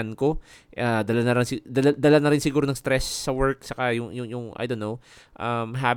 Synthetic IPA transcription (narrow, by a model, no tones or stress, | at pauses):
nko̞ʔad̪ɐlanɐɾaŋsɪd̪ɐlad̪ɐlanɐɾɪnsɪɡuːɾoɐŋst̪ɾɛsːɐwɛɹk̚t͡ʃɐkajʊŋjʊŋjʊŋʔa̰jd̪onːowʔɐmɦa